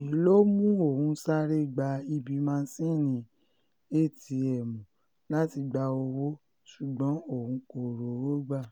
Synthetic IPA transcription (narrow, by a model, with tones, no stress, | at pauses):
i˨˦lo˦mũ˦o˦˨hũ˨˧˦sa˦ɾe˦˨ɡ͡ba˧i˧bi˧mã˦˧n̩˦sĩ˦˨nĩ˨˧ | e˦˨ti˧ɛ˨mũ˨ | la˦ti˧ɡ͡ba˧o˧wo˦ | su˨ɡ͡bɔ̃˨˦o˦˨hũ˧ko˨ɾo˨wo˦ɡ͡ba˦˨